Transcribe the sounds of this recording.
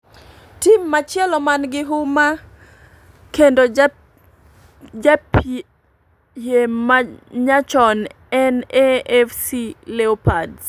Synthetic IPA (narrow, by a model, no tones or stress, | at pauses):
timːat͡ʃjɛlɔmanɡɪɦʊma | kendo | d͡ʒap | jemaɲat͡ʃɔn | ɛnɛɛfsilɛopad